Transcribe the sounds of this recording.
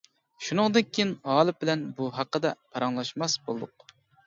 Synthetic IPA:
ʃunɨŋd̪ɨnkʲʰijɪnɑːlˠɨp̚bɪlɛnbuɦɑqːəd̪ɛpʰɑɾɑŋlˠɑʃmɑsbolˠɨd̪ʊq̚

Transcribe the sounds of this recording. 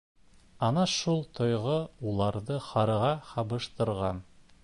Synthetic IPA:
ɑnɑʃulˠt̪ʰŏjʁɤulˠɑɾðɤχɑɾɤ̆ʁɑχɑβɤ̆ʃt̪ɤ̆ɾʁɑn

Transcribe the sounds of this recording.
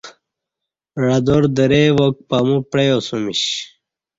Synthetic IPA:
ɻɐd̪oɾd̪əɾeʋok̚pamupɾejosumiɕ

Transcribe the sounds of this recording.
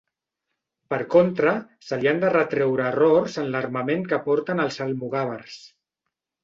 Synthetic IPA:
pəɾkont̪ɾəsəliand̪ərət̪ɾɛwɾəːrorzənləɾməmeŋkəpɔɾt̪ənəlˠzəlmuɣ̞aβərs

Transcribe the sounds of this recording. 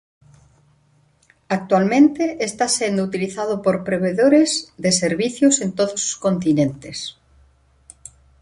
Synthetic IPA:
ak̚t̪walmẽnt̪eʔest̪asend̪out̪iliθaðopoɾpɾeβ̞eðoɾezðeseɾβiθjosent̪oðoso̥skõnt̪inẽnt̪es

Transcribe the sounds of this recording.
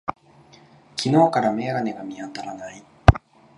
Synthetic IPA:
kʲino̞ːkaɾame̞ːɡane̞ɡamʲiat̪aɾanai

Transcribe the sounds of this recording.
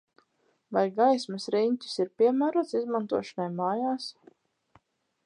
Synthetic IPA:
vajɡajsmɨsɾinʲt̪ʲu̥siɾpiɛmæːɾuɔt̪sizmant̪uɔʃɔnajmaːjaːs

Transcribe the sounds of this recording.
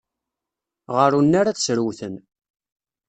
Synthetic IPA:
ʁəɾunːaɾat͡ssɾwθən

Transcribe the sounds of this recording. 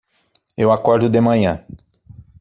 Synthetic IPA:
ewakɔɾd̪ʊd̪emɐ̃ɲɐ̃

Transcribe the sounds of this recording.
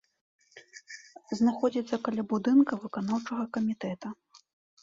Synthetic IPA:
znaxɔd͡zʲit̪sːɐkalʲabud̪ɨnkɐvɨkanawt͡ʂɐɣɐkɐmʲit̪ɛt̪ɐ

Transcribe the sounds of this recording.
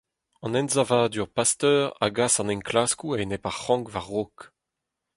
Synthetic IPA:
ɑ̃nɛ̃nzavaːd̪yʁpast̪œːʁa̰ɡasɑ̃nɛ̃ŋklaskuanepaʁχɑ̃ŋkvaʁːok

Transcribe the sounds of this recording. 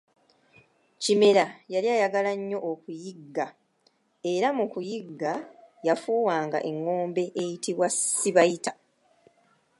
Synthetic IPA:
cime̞ɾajaljaːjaɡalaɲːo̞ʔokujiɡːa | e̞ɾamukujiɡːajafuːwaːŋɡa̰ʔe̞ŋːo̞ːmbe̞ʔejitʰiβwasiβajitḁ

